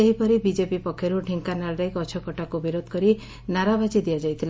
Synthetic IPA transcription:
eɦipɔɾibid͡ʒepipɔkʰːjɔɾuʈʰiŋkanaɭɾejkɔt͡ʃʰɔkɔʈakubiɾod̪ʱkɔɾi | naɾabad͡ʒid̪iad͡ʒajt̪ʰil

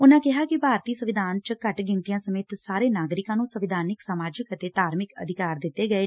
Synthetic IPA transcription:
ʊnãːkɪɦaːkɪpaːɾt̪iːsəʋɪd̪ʱaːnt͡ʃkəʈɡɪnt̪ijãːsəmeːt̪saːɾeːnaːɡɾɪkãːnũːsəʋɪd̪ʱaːnɪksaːmaːd͡ʒɪkət̪eːt̪aːɾmɪkə̰d̪ʱɪkaːɾd̪ɪt̪ːeːɡəeː

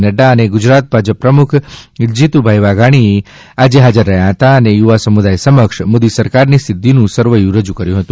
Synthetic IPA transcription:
nəɖaəneɡʊd͡ʒɾat̪̚bʱad͡ʒəpːɾəmukʰd͡ʒit̪ubʱajʋaɡʱaɽ̃ie | ad͡ʒeɦad͡ʒəɾːəɦjaɦət̪aənejuʋasəmud̪ajsəməkʃmod̪isəɾkaɾnisɪd̪ːinũsəɾʋəjũɾəd͡ʒukəɾjũɦət̪ũ

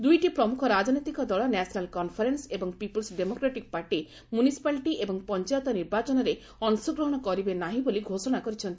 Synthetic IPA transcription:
d̪ujʈipɾɔmukʰɔɾad͡ʒnɔt̪ikɔd̪ɔɭɔnɛsʰɔnalkɔnpʰɔɾensebɔŋpipɔlsɖemokɾaʈik̚paɾʈi | mjunisi̥paliʈiʔebɔŋpɔnt͡ʃajɔt̪ɔniɾbat͡ʃɔnɔɾe | ɔnsɔɡɾɔɦɔɽ̃ɔkɔɾibenaɦĩboliɡʱosɔɽ̃akɔɾit͡ʃʰɔnt̪i̥

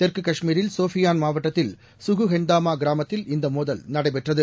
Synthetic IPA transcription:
t̪ɛɾkɯkɐʂmiːɾɪlsoːfɪjaːnmaːʋɐʈːɐt̪ːɪl | sʊɣɯɦɛnd̪aːmaːɡɪɾaːmɐt̪ːɪlɪnd̪ɐmoːðɐlnɐɽɐɪpɛʈrɐðɯ

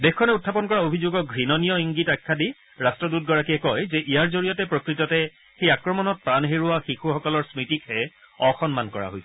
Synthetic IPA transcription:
bɛxkʰːɔnɛutʰːapɔnkɔɹaobʱizoɡɔɡʱɹinɔnijɔiŋɡitakʰːadi | ɹastɹɔdut̚ɡɔɹakiɛkɔjzɛʔijaɹzoɹijɔtɛpɹokɹitɔtɛ | xejakɹɔmɔnɔt̚pɹanɦeɹuaxixuxɔkɔlɔɹsmitikhɛ | ɔxɔnmankɔɹa̰ɦojsɛ

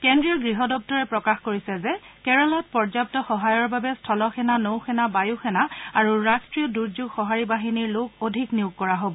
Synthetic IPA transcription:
kɛndɹiɔɡɹiɦɔdɔp̚tɔɹɛpɹɔkaxkoɹisɛzɛkɛɹɔlɔt̚pɔɹzap̚tɔxɔɦajɔɹbabɛstʰɔlɔxʰɛnanowxʰɛnabajuxɛnaaɹuɹastɹiɔduɹzuɡxɔɦaɹibaɦiniɹloɡodʱikniuɡ̚kɔɹaɦobɔ

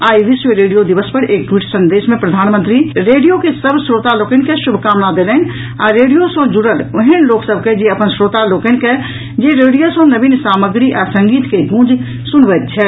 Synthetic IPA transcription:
aːiʋɪsʋeɾeːɖijod̪iʋəspɐɾeːk̚ʈwiːʈsɐ̃nd̪eːʃmẽpɾɐd̪ʱaːnmə̃nt̪ɾiɾeːɖijokesɐbsɾoːt̪aloːkənkeʃʊbʱkaːmnad̪eːləːn | a̰ːɾeːɖijosõd͡ʒʊɽəlʊɦənloːksəbʱked͡ʒeɐpənsɾoːt̪aloːkənke | d͡ʒeːɾeːɖijosõnɐbinsaːməɡɾiʔɛsɐ̃ŋɡiːt̪keɡũːd͡ʒ | sʊnʋət̪̚t͡ʃʰɛ

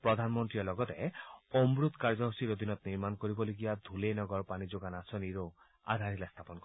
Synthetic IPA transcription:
pɹɔd̪ʱanmɔnt̪ɹiɔlɔɡɔt̪ɛomɾut̪kaɹd͡ʒɔɦosiɾod̪ʱinɔt̪niɾmankoɾibɔloɡibad̪ʱulenɔɡɔɹpanid͡ʒoɡanasɔniɾo | a̰d̪ʱaɾilast̪ʰapɔnkɔ

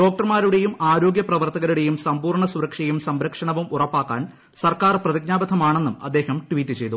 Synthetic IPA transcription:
ɖo̞ːk̚ʈɐrmaːɾuɽe̞jumaːɾo̞ːɡjɐprɐʋɐrt̪ɐɣɐɾuɽe̞jumsɐmpuːrɳɐsuɾɐkʂɐjumsɐmɾɐkʂɐɳɐʋumurɐpːaːkːa̰ːn | sɐrkaːrprɐðiɡɲaːbɐd̪ʰʱɐmaːɳe̞nːumɐ̰d̪ːe̞ːhɐmʈʋiːtːɨt͡ɕe̞jt̪u

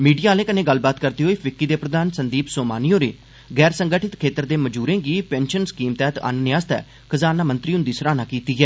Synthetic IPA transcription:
miːɖijaːlẽːkənẽːɡəlbaːt̪kəɾd̪iːɦoːiːpʰɪkːiːd̪eːpɾəd̪aːnsənd̪iːpsoːmaːnijoːɾeː | ɡɛːɾsəŋɡəʈʰɪt̪kʰeːt̪əɾd̪eːməd͡ʒuːɾẽːɡiːpɛːnʃənskiːmt̪ɛːt̪a̰ːnneːaːst̪ɛ̰ː | kʰəzaːnaːmənt̪ɾiːɦʊ̃nd̪iːsəɾaːnaːkiːt̪iːɦɛː

